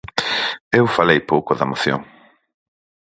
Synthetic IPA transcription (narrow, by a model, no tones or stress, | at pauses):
ewfalejpowkoðamoθjo̰ŋ